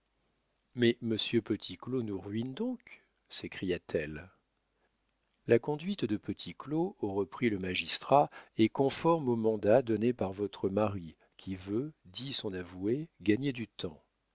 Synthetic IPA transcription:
mɛməsjøpət̪ʰiklonuʁɥind̪ɔ̃k | sekχijat̪ʰɛl | lakɔ̃d̪ɥit̪d̪əpət̪ʰikloːʁəpχiləmaʒist̪χaɛkɔ̃fɔʁmomɑ̃d̪ad̪ɔnepaʁvɔt̪χəmaʁi | kʲʰivød̪isɔ̃navueɡaɲed̪yt̪ɑ̃

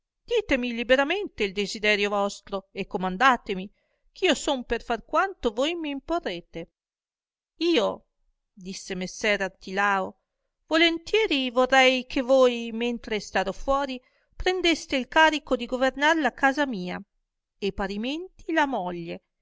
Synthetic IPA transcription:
d̪̥iːt̪emilibeɾament̪eild̪ezid̪ɛːɾjovɔst̪ɾoekːomand̪aːt̪emi | k̟ʰiːosomperfarkwant̪ovojmiːmporːeːt̪e | iːo | d̪isːemesːɛɾart̪ilaːo | volent̪jɛːɾivorːɛjkʰevojment̪ɾest̪aːɾofwɔːɾi | pɾend̪est̪eilkaːɾikod̪iɡovernarlakaːzamiːa | epaɾiment̪ilamɔʎːe

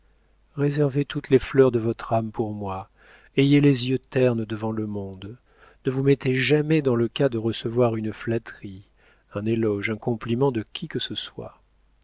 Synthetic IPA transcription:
ʁezɛʁvet̪ut̪leflœʁd̪əvɔt̪χampuʁmwa | ejelezjøt̪ɛʁnd̪əvɑ̃ləmɔ̃d̪ | nəvumɛt̪eʒamɛd̪ɑ̃ləkad̪əʁəsəvwaʁynflat̪χi | ɛ̃nelɔʒɛ̃kɔ̃plimɑ̃d̪əkʲikəsəswa̰

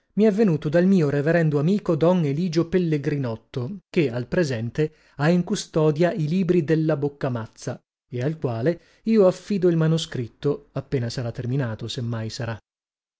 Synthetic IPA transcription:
miɛvːenuːt̪od̪almiːoɾeveɾɛnd̪oamiːkod̪ɔneliːd͡ʒopelːeɡɾinɔt̪ːok̟ealpɾezɛnt̪e | aiŋkust̪ɔːd̪jailiːbɾid̪elːabokːamat̪sːa | ealkwaːle | iːoafːiːd̪oilmanuskɾit̪ːoapːeːnasaɾat̪ːerminaːt̪osemːajsaɾa

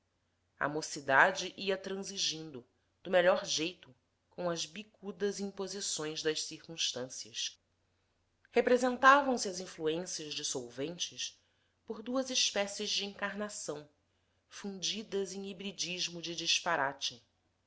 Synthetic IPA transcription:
ɐ̰mosid̪ad͡ʒiʔiɐt̪ɾɐ̃ziʒĩnd̪ʊ | d̪̥ʊmeʎɔɾʒejt̪ʊ | kõɐzbikud̪ɐziĩmpozisõj̃zd̪ɐʃsiɾkũʃt̪ɐ̃siɐs | hepɾezẽnt̪avɐ̃w̃siɐzĩfluẽsiɐʒd͡ʒɪsowvẽnt͡ʃɪs | poɾd̪uɐzɪʃpɛsɪʒd͡ʒɪĩŋkaɾnasɐ̃w̃ | fũd͡ʒid̪ɐzẽj̃ibɾid͡ʒiʒmʊd͡ʒɪd͡ʒiʃpaɾat͡ʃɪ

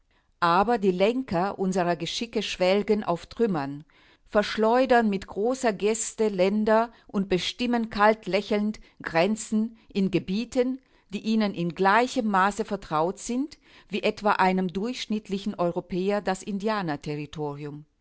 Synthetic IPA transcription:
ʔaːbɐdiːlɛŋkɐʔʊnzəʁɐɡəʃɪkəʃv̥ɛlɡənʔa̰ʊftʁ̥ʏmɐn | fɛɐʃlɔʏdɐnmɪtɡ̥ʁoːsɐɡɛstəlɛndɐʔʊnt̚b̥əʃtɪmənkʰaltlɛçl̩ntɡ̥ʁɛnt͡sn̩ʔɪnɡəbiːtən | d̥iːʔiːnənʔɪnɡlaɪçəmːaːsəfɛɐtʁ̥aʊtz̥ɪnt | v̥iːʔɛtv̥aːʔaɪnəmdʊɐçʃnɪtʰlɪçn̩ʔɔʏʁopʰɛːɐdasɪndiaːnɐtʰɛʁitʰoːʁiʊm

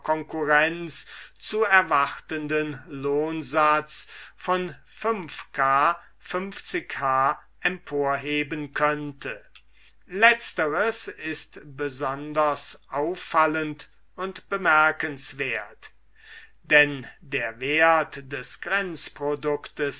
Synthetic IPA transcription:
kʰɔŋkuʁɛnt͡st͡suːɛɐvaχtəndənloːnzat͡sfɔn | fʏmfkʰaː | fʏmft͡sɪkhaː | ʔɛmpʰoːɐɦeːbənkʰœntʰə | lɛt͡stəʁəsɪstb̥əzɔndɐsʔaʊfalənt | ʊntb̥əmɛɐkənsv̥eːɐt | d̥ɛndeːɐveːɐtd̥ɛsɡ̥ʁɛnt͡spʁodʊktəs

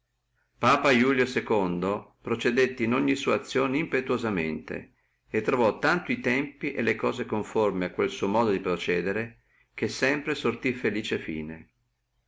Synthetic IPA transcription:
paːpajuːljosekond̪opɾot͡ʃed̪et̪ːeinoɲːisuːat̪sːjoːneimpet̪uozamḛnt̪ḛ | et̪ːɾovɔt̪ːant̪oit̪ɛmpiʔelːekɔːzekoɱformeakːwelsuomɔːd̪od̪ipɾot͡ʃɛːd̪eɾe | k̟esːɛmpɾesort̪ifeliːt͡ʃefḭːnḛ

